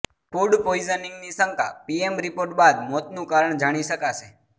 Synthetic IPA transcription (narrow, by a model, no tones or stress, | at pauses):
kuɖpoizənĩŋɡnisəŋkʰa̰piemɾipoɾʈbad̪mɔt̪nũkaɾəɳ̃d͡ʒaɽ̃iʃəkaʃʰe